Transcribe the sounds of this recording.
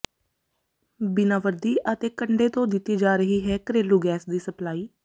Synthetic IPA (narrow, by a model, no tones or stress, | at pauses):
bɪnaːʋəɾd̪iːʔət̪eːkəɳɖeːt̪õːd̪ɪt̪ːiːd͡ʒaːɾəɦiːɦɛːkəɾeːluːɡɛːsd̪iːsəplaːiː